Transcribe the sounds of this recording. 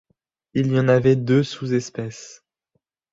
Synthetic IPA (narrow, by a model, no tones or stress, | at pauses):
ilijɑ̃navɛd̪øsuzɛspɛs